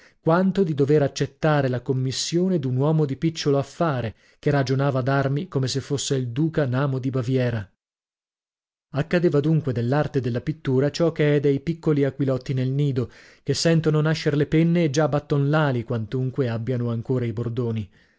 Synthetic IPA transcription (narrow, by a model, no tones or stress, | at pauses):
kwant̪od̪id̪oveɾat͡ʃːet̪ːaːɾelakomːisːjoːned̪unwɔːmod̪ipit͡ʃːoloafːaːɾe | kerad͡ʒonaːvad̪armikomesefːosːeild̪uːkanaːmod̪ibavjɛːɾa | akːad̪eːvad̪uŋkwed̪elːart̪ed̪elːapit̪ːuːɾat͡ʃɔkeɛd̪ejpikːoliakwilɔt̪ːinelniːd̪o | kesːɛnt̪ononaʃːeɾlepenːeːd͡ʒabːat̪ːonlaːlikwant̪uŋkweabːjanoaŋkoːɾaibord̪oːni